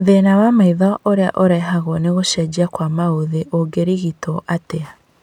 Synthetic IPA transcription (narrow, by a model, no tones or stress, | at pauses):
ðenawamaiðɔʔoɾea̰ʔoɾɛɦaɣwɔneɣoʃɛd͡ʑiakwamaoðeʔoɡeɾiɣitɔʔatea